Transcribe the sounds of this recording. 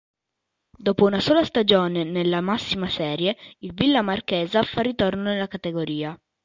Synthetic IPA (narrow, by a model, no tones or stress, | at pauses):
d̪oːpounasoːlast̪ad͡ʒoːnenelːamasːimasɛːɾjeilvilːamarkeːzafarːit̪ornonelːakat̪eɡoɾiːa